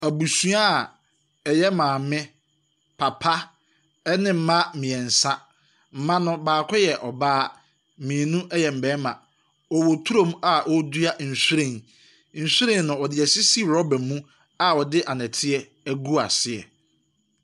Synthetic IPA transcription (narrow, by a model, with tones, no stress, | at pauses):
æ˨bu˨sũ˦a˦˨ | ɛ˨jɛ˦mãː˨mɪ̃˦ | pʰa˨pʰa˦ | nɪ̃˦m̩˦mã˦mɪ̃˨ɛ˨n̩˨sã˦ | m̩˦mã˦nʊ̃˨baː˨kʰɔ˦jɛ˨ʔɔ˨baː˦ | mĩː˨nũ˦ʔɛ˦jɛ˨m̩˨bɛ˦mã̰˨ | ɔ˨wɔ˨tʰu˦ɾõ˦˨m˦a˦˨ʔɔ˦du˦a˦n̩˨su˦ɾẽ˨n | n̩˨su˦ɾẽ˨n˨nʊ̃˨ɔ˨dɪ˨ɛ˨sɪ˦si˦ɾɔ˦bɛ̃˨mːũ˦ | a˨wɔ˨dɪ˦ʔa˨nɛ̃˨tʰɪ˦ɛ˦ | æ˦ɡu˦a̰˨sɪ˦ɛ˨